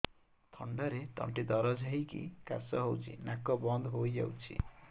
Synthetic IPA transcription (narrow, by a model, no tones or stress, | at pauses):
t̪ʰɔ̰ɳɖaɾeʈ̪ʌ̰ɳʈid̪ɔɾɔd͡ʒʱaɦikḭka̰sɔɦowt͡ʃʰḭnakːɔbɔnd̪ɦoja̰wt͡ʃʰḭ